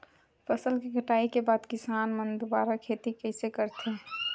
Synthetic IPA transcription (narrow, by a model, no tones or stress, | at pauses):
pəsəlkeɡʱəʈaːikebaːd̪kɪsaːnmənd̪ubaːɾakʰet̪ikəɪsekəɾt̪e